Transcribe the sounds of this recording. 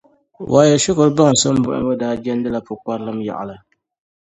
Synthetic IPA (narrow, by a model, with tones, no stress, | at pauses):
wʔaː˨jɛ˨ʃʊ˦kʊ˨ɾɨ˦ba˦ŋ˨sɨ˦m˦bʊ˦ʔʊ̰˦mbɔ˦daː˦d͡ʒɛ˦n˦dɨ˦la˨pʊ˨ka˦ɾlɨ˦mja̰˨ʔa̰˨lɨ˨